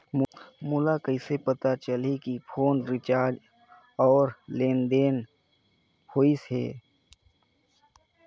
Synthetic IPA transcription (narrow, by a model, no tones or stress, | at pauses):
mʊlakəɪsepət̪at͡ʃəlikipʰoːnɾɪt͡ʃaːɾd͡ʒ | ɔːɾleːnd̪eːn | hoːisɦḛː